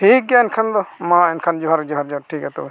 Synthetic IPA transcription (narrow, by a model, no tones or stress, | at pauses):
ʈʰik̚ɡaɛnkʰand̪ɔmãɛnkʰand͡ʒɔɦaɾd͡ʒɔɦaɾd͡ʒɔɾʈʰikat̪ɔ